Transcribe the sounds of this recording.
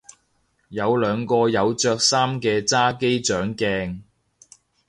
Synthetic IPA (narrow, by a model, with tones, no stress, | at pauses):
jɐ˨˧wlœː˨˧ŋkɔː˧jɐ˨˧wt͡ʃœː˧k̚saː˥mkɛː˧t͡saː˥ke˥jt͡ʃœː˨˥ŋkɛː˧ŋ